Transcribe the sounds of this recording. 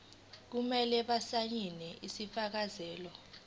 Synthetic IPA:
k̬umɛlɛɓasaɲinɛʔisifak̬azɛːlɔ

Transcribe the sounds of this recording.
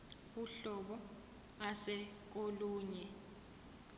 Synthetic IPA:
uɬɔɓɔ | asɛk̬oluːɲɛ

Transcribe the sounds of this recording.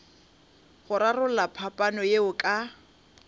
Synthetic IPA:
χʊɾarʊlapʰapʼanɔjeʊkʼa

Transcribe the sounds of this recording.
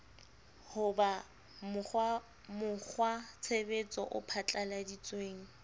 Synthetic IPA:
hʊba | mʊa | mʊk͡xʰwat͡sʰebet͡sʼɔ̰ʔʊpʰat͡ɬʼaladit͡sʼweːŋ̩

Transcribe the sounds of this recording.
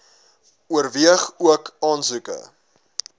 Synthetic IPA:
uərviəχuəkɑːnzʉkə̰

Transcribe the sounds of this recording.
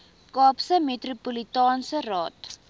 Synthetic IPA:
kɑːpsəmetrupolitɑːnsərɑːt

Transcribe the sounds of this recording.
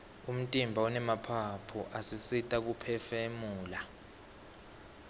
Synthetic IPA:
um̩tʼimbʱaɔnɛmapʰapʰuʔasisitʼak̬upʰɛfemuːla

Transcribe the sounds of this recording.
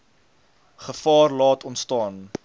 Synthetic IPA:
χəfɑːrlɑːtɔntstɑːn

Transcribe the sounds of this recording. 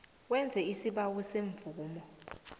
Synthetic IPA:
wɛnd͡zʱɛisiɓawuseɱvʱuːmɔ

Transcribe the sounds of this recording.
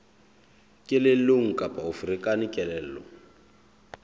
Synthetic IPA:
kʼɪleloŋ̩kʼapaufrikʼanɪkʼɛlɛːl̩lɔ

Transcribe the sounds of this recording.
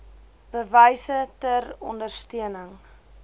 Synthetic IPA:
b̥əvəjsətərɔ̰ndərstiənəŋ

